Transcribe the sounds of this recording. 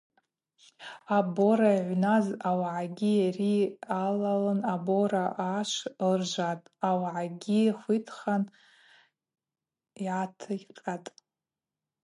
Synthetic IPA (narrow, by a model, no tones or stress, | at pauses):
aboɾaʕʷnazawʕaɡʲijarialalɨnaboɾaʔaʂlrʒʷatʼawʕaɡʲiχʷitʰχan | iʕatʰɨqʼatʼ